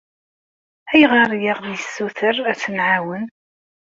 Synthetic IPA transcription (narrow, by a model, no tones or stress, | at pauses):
æjʁɑɾˤjəʁðjəsːuθəɾæθənʕawən